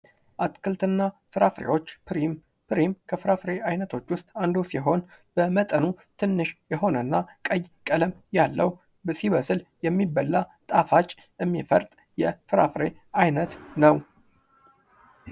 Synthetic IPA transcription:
ʔat̪kʰɨlt̪ɨnːafɨɾafɾḛwo̞t͡ʃːpɾim | pʰɾimkʰəfɨɾafɾe̞ajnət̪ʰo̞t͡ʃːwʊst̪ʼand̪osiɦo̞nb̥əmət̪ʼənut̪ʰɨnːɨʃjɛɦo̞nənːakʼəjkʼələmjalːəw | bsiβəsɨljɛmːibːəlːat̪ʼafat͡ʃʼː | ɨmːifə̰ɾt̪ʼ | jɛfɨɾa̰fɾe̞ | ajnət̪nəw

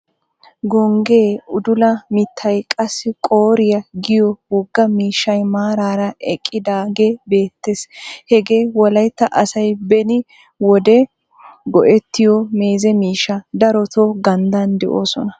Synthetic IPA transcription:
ɡɔŋɡe̞ːʊd̪ʊlɐmɪt̪ʰːɐjkʼɐsːɪkʼoːɾɪjɐɡɪjɔwɔɡːɐmiːʃːɐjmaːɾaːɾɐʔɛkʼːɪd̪aːɡebe̞ːt̪ːeshɛɡeːwɔlɐjt̪ːɐʔɐsɐjbɛnɪ | wɔd̪ɛ | ɡɔʔɛt̪ːɪjɔme̞ːzɛmiːʃːɐd̪ɐɾɔt̪oɡɐnd̪ɐnd̪ɛʔoːsɔnɐ

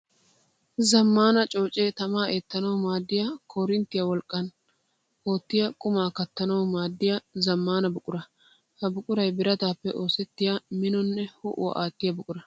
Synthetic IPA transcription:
zɐmːaːnɐt͡ʃʼo̞ːt͡ʃʼeːt̪ɐmaːʔeːt̪ːɐnɐwmaːd̪ːɪjɐkʰɔɾɪnt̪ːɪjɐwɔlkʼːɐn | hoːt̪ːɪjɐkʼʊmaːkɐt̪ːɐnɐwmaːd̪ːɪjɐzɐmːaːnɐbʊkʼʊɾɐ | hɐbʊkʼʊɾɐjbɪɾɐt̪aːpːɛʔo̞ːsɛt̪ːɪjɐmɪnɔnːɛhɔ̰ʔʊ̰wɐ̰ʔaːt̪ːɪjɐbʊkʼʊɾɐ

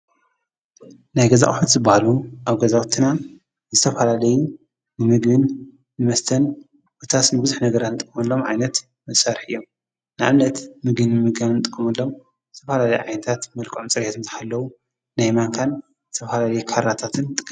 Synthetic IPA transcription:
najɡɐza̰ʔʼħut̪zɨbahaluʔaβɡɐzawt̪ʰːɨna | zɨt̪ʰɐfalalɐju | nɨmɨɡmɨn | nɨmɐst̪ʰɐn | bot̪ʰasnɨbɨzuħnɐɡɐɾat̪nɨt̪ʼkʼːɨmɨlːo̞mʕa̰jnɐt̪ | mɨsaɾħɨjːom | nɨʔaβnɐt̪mɨɡɨnɨmɨɡannɨt̪ʼɨkʼːɨmɐlːo̞m | zɨt̪ʰɐfalalɐjuʕa̰jnɐt̪ʰat̪mɐlkʼɨʕomt͡sʼɨɾet̪ʰɨnt̪ʰħalːɐwu | najmaŋkʰan | zɨt̪ʰɐfalalɐjukʰaɾat̪ʰat̪ʰɨnt̪ʼɨkʼː

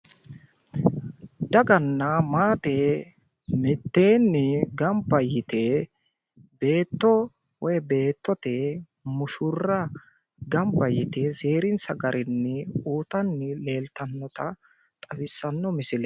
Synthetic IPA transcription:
d̪ɐɡɐnːɐmaːt̪e | mɛt̪ːe̞ːnːɪɡɐmbɐjɪt̪e | be̞ːt̪ːɔ | wɔjbe̞ːt̪ːɔt̪e | mʊʃʊrːɐ | ɡɐmbɐjɪt̪eseːɾɪnsɐɡɐɾʔɪnːɪuːt̪ɐnːɪle̞ːlt̪ɐnːɔt̪ɐ | t̪ʼɐfɪsːɐnːɔmɪsɪlɛ

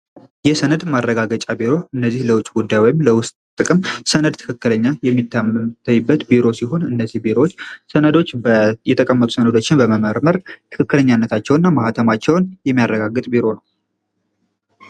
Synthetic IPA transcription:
jɛsənəd̪marːəɡaɡət͡ʃʼabiɾo̞ɨnːəzːihləwʊt͡ʃʼɡud̪ːajojɪmləwʊst̪ʼt̪ʼɨkʼɨmsənəd̪̚t̪ʰɨ̥kʰɨkːɨləɲːajɛmːit̪ʰːammt̪ʰːəjːɪbːət̪biɾo̞siɦo̞nɨnːəzihbiɾowot͡ʃːsənəd̪o̞t͡ʃːjɛt̪ʰəkʼəmːət̪ʼu̥sənəd̪o̞t͡ʃːɪnbəməməɾməɾt̪ʰɨ̥kʰɨkːɨləɲːanːət̪ʰat͡ʃːɛwnːamahat̪ʰəmat͡ʃːɛwnjɛmːijarːəɡaɡːɨt̪ʼbiɾo̞nəw

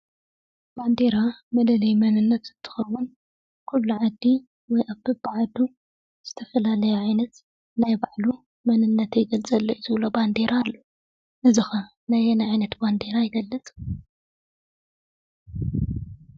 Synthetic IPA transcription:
b̥and̪eɾamɐlɐlɐjmɐnɨnːɐt̪zɨt̪ʰːɨ̥xɐwun | kʰulːuʕad̪ːi | wɔjʔaβbɨbɨʕad̪u | z̥ɨt̪ʰɐfɐlalɐjoʕajnɐt̪ | najbaʕlu | mɐnɨnːɐt̪ejɡɐlt͡sʼɐlːɐʔzɨβloband̪e̞ɾaːlːu | ʔɨzixɐ | najɛnaʕajnɐt̪band̪e̞ɾajɪɡɐlːɨt͡sʼ

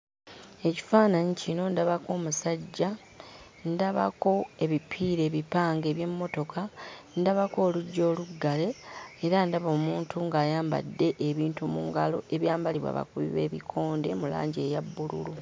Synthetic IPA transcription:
e̞ci̥faːnaɲicino̞ndaβako̞ːmusaɟːa | ndaβa̰ko̞e̞βipʰiɾe̞ːβipaːŋɡeːβje̞mːo̞to̞kʰandaβako̞ːluɟːo̞ːluɡːale̞ːɾandaβoːmuːntʰuŋɡaːjaːmba̰dːe̞ʔeβiːntumṵːŋɡalo̞̰ʔe̞βjaːmbaliβwa̰βa̰kuβḭβe̞̰ːβikʰo̞ːnde̞mula̰ːɲɟe̞jabːulṵlu

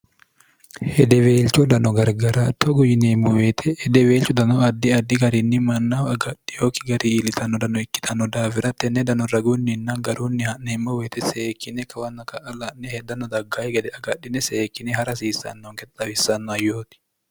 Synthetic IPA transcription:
hɛd̪ɛweːlt͡ʃɔd̪ɐnɔɡɐɾɡɐɾat̪ːɔɡʊjɪnemːʊweːt̪ʰɛhːd̪ɛweːlt͡ʃʊd̪ɐnɔɐd̪ːɪɐd̪ːɪɡɐɾɪnːɪmɐnːafɐɡɐᶑɪjoːkɪɡɐɾiːlɪt̪ʰɐnːɔd̪ɐnɔɪkːɪ̥t̪ʰɐnːɔd̪aːfɪɾɐt̪ːɛnːɛd̪ɐnɔɾɐɡʊnːɪnːɐɡɐɾuːnːɪhɐnːɛmːɔweːt̪ɛseːkːɪnɛkɐwɐnːɐkɐʔɐlɐnːɛhɛd̪ɐnɔd̪ɐɡːaːjɛɡɛd̪ɛɐɡɐɗːɪnɛseːkːɪnɛhɐɾɐsiːsːɐ̰nːɔŋkɛt̪t̪ɐbɪsːɐnːɔɐjːoːt̪ɪ̥

